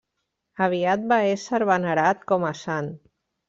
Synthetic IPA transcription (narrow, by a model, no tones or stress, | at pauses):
aβ̞iat̪̚baesəɾβanəɾat̪kɔmasan